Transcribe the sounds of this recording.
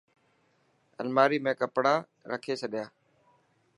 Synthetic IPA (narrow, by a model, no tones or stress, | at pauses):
ə̰lmaːɾiːmẽːkəpɽaː | ɾəkʰeːt͡ʃʰəɗɪjaː